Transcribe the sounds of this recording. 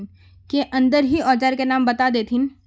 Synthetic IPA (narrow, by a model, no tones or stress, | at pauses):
n | keʔɐ̃nd̪əɾɦiɔːt͡ʃaːɾkenaːmbɐt̪ad̪eːt̪ʰɪn